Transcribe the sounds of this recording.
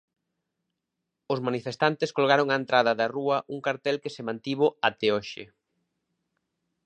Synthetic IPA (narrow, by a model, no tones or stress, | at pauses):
ʊsmanifest̪ant̪eskoloɣaɾoŋaent̪ɾaðɐðɐruɐʔuŋkaɾt̪ɛlkesemãnt̪iβoat̪eoʃɪ̰